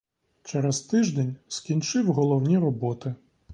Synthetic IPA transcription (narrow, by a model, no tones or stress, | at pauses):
t͡ʃɛɾɛzt̪ɪʒd̪ɛnʲskʲinʲt͡ʃɪwɦɔlˠɔwnʲiɾɔbɔt̪ɪ